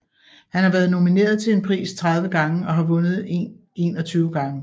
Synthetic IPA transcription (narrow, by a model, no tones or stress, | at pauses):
hænhɑ̈ʋæːɐð̞̩ˠno̝mine̝̰ːɐð̞ˠt͡sʰe̝le̝npʰʁḭːst͡sʰʁɑð̞ˠʋəɡ̥ɑ̈ŋəɒ̽ɦɑ̈ʋɔ̽nð̞̩ˠee̝ːnɒ̽t͡sʰyːʊɡ̥ɑ̈ŋə